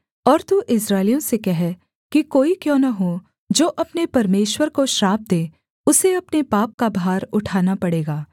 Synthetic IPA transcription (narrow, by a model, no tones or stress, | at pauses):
ɔːɾt̪uʔɪsɾaːɪlijõsekɛɦɛ | kikoːikjõːnɐɦo | d͡ʒoːʔɐpnepɐɾmeːʃwəɾkoʃɾaːb̚d̪eː | ʊseɐpnepaːp̚kabʱaːɾʊʈʰaːnapɐɽeːɡaː